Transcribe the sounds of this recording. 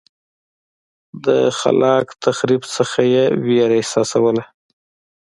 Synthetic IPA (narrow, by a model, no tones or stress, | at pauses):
d̪ə̰xa̰lɑkt̪ʰaxɾibsəxajeweɾaɪsɑsawəla